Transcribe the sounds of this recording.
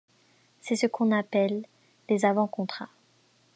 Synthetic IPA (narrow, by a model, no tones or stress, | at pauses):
sɛsəkɔ̃napɛlː | ezavɑ̃kɔ̃t̪χa̰